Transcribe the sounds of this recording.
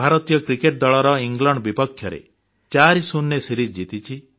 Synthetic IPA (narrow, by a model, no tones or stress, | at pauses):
bʱaɾɔt̪ijɔkɾikeʈ̚d̪ɔɭɔɾɔiŋɡlɔɳɖɔbipɔkʰjɔɾḛ | t͡ʃaɾisunːesiɾid͡ʒd͡ʒit̪it͡ʃʰi